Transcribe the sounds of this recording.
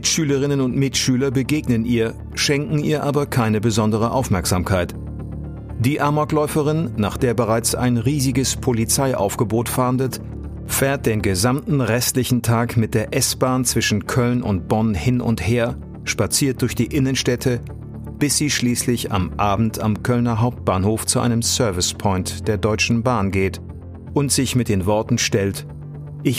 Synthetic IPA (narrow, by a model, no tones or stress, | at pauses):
mɪtʃyːləʁ̞ɪnənʊntmɪtʃyːlɐbəɡeːɡnənʔiːɐ | ʃɛŋkŋ̩iːɐʔaːbɐkʰaɪnəbəzɔndəʁ̞əʔaʊfmɛɐkz̥aːmkʰaɪt | d̥iːʔaɐmaklɔʏfəʁɪnːaːχd̥eːɐbəʁaɪt͡sa̰ɪnʁiːzɪɡəspʰolit͡saɪʔa̰ʊfɡ̥əboːtfaɐndət | feːɐt̚d̥eːnɡəzamtn̩ʁɛstlɪçn̩tʰaːkmɪt̚d̥eːɐʔɛsb̥aːnt͡sv̥ɪʃn̩kʰœlnʊ̰nt̚b̥ɔnhɪnʔʊ̰ntheːɐ | ʃpat͡siːɐt̚d̥ʊɐçd̥iːʔɪnənʃtɛtʰə | b̥ɪsz̥iːʃliːslɪça̰mʔaːbm̩tʰamkʰœlnɐɦaʊp̚t̚b̥aːnhoːft͡suʔa̰ɪnəmsœɐvɪspʰɔʏntd̥eːɐdɔʏt͡ʃn̩baːnɡeːt | ʔʊntz̥ɪçmɪt̚d̥eːnvɔɐtn̩ʃtɛlt | ʔɪç